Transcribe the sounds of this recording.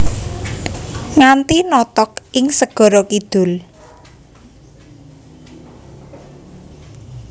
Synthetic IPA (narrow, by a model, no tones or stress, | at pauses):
ŋant̪inɔt̪ɔk̚ɪŋsəɡ̥ɔ̤ɾɔkid̪̥ʊ̤l